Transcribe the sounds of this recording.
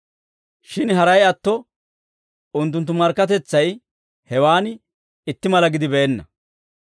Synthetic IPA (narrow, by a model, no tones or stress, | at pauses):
ʃɪnɦɐɾɐjɐt̪ːɔ | ʊnt̪ːʊnt̪̬ːʊmɐɾkːɐt̪ɛt͡sːɐj | hɛwaːn | ɪt̪ːɪmɐlɐɡɪd̪ɪbɛːnːɐ̰